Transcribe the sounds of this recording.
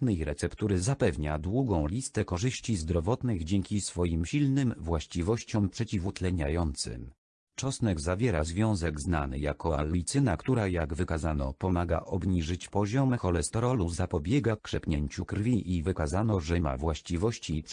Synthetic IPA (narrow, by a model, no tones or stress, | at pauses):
nɛjɾɛt̪sɛpt̪uɾɘzapɛvɲad̪wuɡɔ̃w̃lʲist̪ɛkɔʐɘɕt͡ɕizd̪ɾɔvɔt̪nɘɣd͡ʑɛŋkʲisfɔjimɕilnɘmvwaɕt͡ɕivɔɕt͡ɕɔmpʂɛt͡ɕivut̪lɛɲa̰jɔnt̪sɘ̰m | t͡ʂɔsnɛɡzavʲjɛɾazvʲjɔ̃w̃zɛɡzna̰nɘ̰ja̰kɔa̰lɔlʲit̪sɘnakt̪uɾajaɡvɘkazanɔ̰pɔmaɡa̰ʔɔbɲiʐɘt͡ɕpɔʑɔmxɔlɛst̪ɔɾɔluzapɔbʲjɛɡakʂɛpʲɲeɲt͡ɕukɾvʲiʔivɘkazanɔʐɛma̰vwaɕt͡ɕivɔɕt͡ɕip